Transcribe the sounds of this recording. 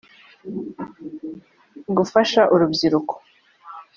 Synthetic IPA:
ɡufaʃaʔuɾubɟiɾuko̥

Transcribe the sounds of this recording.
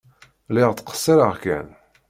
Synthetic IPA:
lɪʁt̪ːqə̥sːiɾəʁkæ̰n

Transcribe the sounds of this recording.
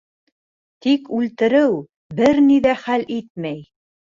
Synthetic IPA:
t̪ikʉlt̪ɘ̆ɾɘw | bɘɾniðæχælʔit̪̚mæj

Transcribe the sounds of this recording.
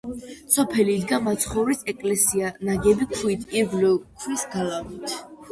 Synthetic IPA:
sɔpʰɛliːd̪ɡamat̪sʰχɔɾisɛkʼlɛsianaɡɛbikʰuit̪ʰiɡlɛkʰwisɡalamit̪ʰ

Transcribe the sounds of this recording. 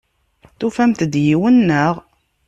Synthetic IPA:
θufæmt̪d̪jiwənːəʁ

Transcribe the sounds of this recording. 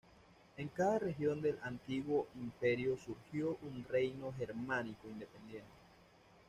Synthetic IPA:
e̞ŋkaðare̞xjo̞nd̪e̞lʔant̪iɣwo̞ʔimpe̞ɾjosuɾxjoʔunre̞jno̞xeɾmãnikoind̪epe̞nd̪je̞nt̪e̥

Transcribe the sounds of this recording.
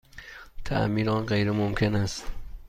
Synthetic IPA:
t̪ʰæ̰ʔmiːɾɒːnɢejɾemomkʰe̞næst̪

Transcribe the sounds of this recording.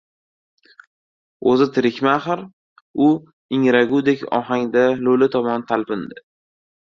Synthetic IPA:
ozɪt̪ʰɪɾɪkʲmaχɾ | ʊ | ɪŋɾaɡʲud̪ekʲɒ̰ɦaŋd̪alolɪt̪ʰɒmɒnt̪ʰalpɪnd̪ɪ

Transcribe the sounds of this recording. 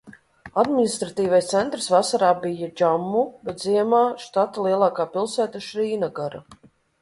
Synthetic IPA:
ad̪minist̪ɾat̪iːvajst̪sɛnt̪ɾsvasaɾaːbijad͡ʒamːubɛt̪ziɛmaːʃt̪at̪alˠiɛlˠaːkaːpilˠsæːt̪aʃɾiːnaɡaɾa

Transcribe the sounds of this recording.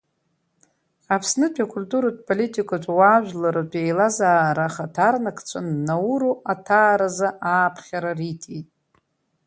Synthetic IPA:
apʰsnɨpʰakʷʰulʲtʼuɾat̚ʰʼpʼolitʰʼikʼatʰʷʼwaːʒᶣʷlaɾɨt͡pʷʰʼejlazaːɾaχatʰarnakʰt͡ɕʷʰanːauɾuʔatʰaːɾazaʔaːpʰχʲaɾaritʰejtʼ

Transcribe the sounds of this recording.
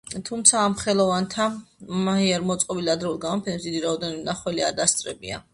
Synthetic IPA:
t̪ʰumt̪sʰaːmχɛlˠɔvant̪ʰamaɦiaɾmɔt̪sʼqʼɔbiliad̪ɾɛulˠɡamɔpʰɛnɛpsd̪id̪iɾaɔd̪ɛnɔbinaχwɛlia̰ɾd̪ast̪sʼɾɛbia̰

